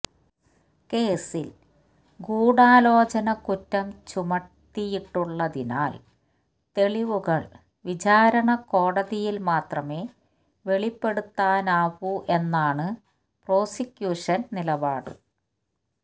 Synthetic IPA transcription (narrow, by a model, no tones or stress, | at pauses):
ke̞ːsil | ɡuːɽaːlo̞ːt͡ɕɐnɐkutːɐmt͡ɕumɐʈːijiʈːuɭːɐðina̰ːl | t̪e̞ɭiʋuɣɐɭ | ʋid͡ʑaːɾɐɳɐko̞ːɽɐðijilmaːt̪rɐme̞ː | ʋe̞ɭipːe̞ɽut̪ːaːnaːʋuʔe̞nːaːɳɨ | pro̞ːsikʲjuːʂɐnnilɐbaːɽɨ̰